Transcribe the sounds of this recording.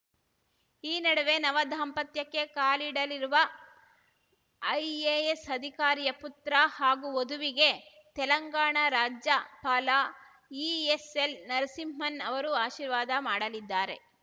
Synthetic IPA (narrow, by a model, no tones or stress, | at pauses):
iːnɐɽɐʋe̞nɐʋɐd̪ʱaːmpɐt̪jɐkːe̞kaːliɽɐliɾuʋɐ | ɐjeːesɐd̪ʱikaːɾijɐput̪ɾahaːɡuod̪uʋiɡe̞ | t̪ɛlɐŋɡaːɳɐɾaːd͡ʒjɐpaːlaː | iːeselnɐɾsimmɐnɐʋɐɾuaːʃiːɾʋaːd̪ɐmaːɽɐlid̪ːaːɾe̞̰